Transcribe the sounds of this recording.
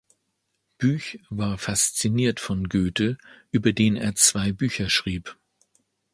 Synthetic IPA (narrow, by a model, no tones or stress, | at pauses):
b̥yːçvaːɐfast͡siniːɐtfɔnɡøːtəʔyːbɐdeːnənḛːɐt͡sv̥aɪbyːçɐʃʁ̥iːp